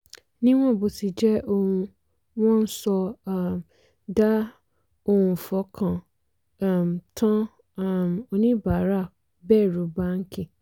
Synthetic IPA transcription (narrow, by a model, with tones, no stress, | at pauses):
nĩ˦w̃ɔ̃˦˨bo˨si˨d͡ʒɛ˦o˦hũ˧ | w̃ɔ̃˦n̩˦sɔ˧˦˨ | da˦ | o˦hũ˨fɔ˨˦kʰã˨˦˨ | m˨tʰã˦˨ | m˨o˧nĩ˦ba˨˦ɾa˦˨ | bɛː˦˨ɾo˨˦ba˦ŋ̩˦kĩ˦˨